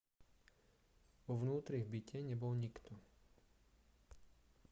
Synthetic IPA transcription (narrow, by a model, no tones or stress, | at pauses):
ʋɔʋnuːt̪ɾiɣbicɛɲɛbɔlɲikt̪ʰɔ